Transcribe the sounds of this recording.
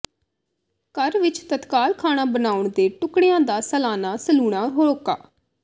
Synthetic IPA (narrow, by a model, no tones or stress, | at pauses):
kəɾʋɪt͡ʃt̪ət̪kaːlkʰaːɽ̃ãːbənaːʊɳd̪eːʈʊkɽɪjãːd̪aːsəlaːnaːsəluːɽaːɦoɾoːka̰ː